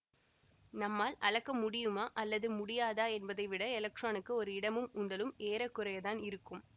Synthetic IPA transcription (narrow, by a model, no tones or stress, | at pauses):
nɐmːaːlɐɻɐkːɐmʊɽɪjɯmaːʔɐlːɐðɯmʊɽɪjaːðaːɛnbɐðɐɪʋɪɽɐɛlɐk̚ʈraːnɯkːɯɔɾɯɪɽɐmɯmʊnd̪ɐlɯmeːɾɐkːʊrɐjɐðaːnɪɾɯkːɯm